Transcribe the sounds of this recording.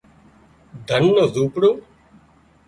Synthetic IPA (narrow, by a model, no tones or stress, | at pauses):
d̪ʱənːəzuːpɽoː